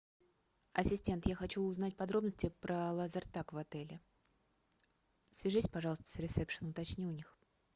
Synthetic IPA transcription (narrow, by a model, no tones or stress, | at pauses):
ɐ̰sʲɪsʲtʲe̞nt̪jaxɐt͡ɕuʊznatʲpɐd̪ɾo̞bnəsʲtʲɪpɾəlˠɐzɐrt̪akvɐt̪ɛlʲɪ | svʲɪʐɨsʲpɐʐɑlˠəst̪ə̥sʲɾʲɪt̪sɛpʂənʊt̪ɐt͡ɕnʲiʊnʲix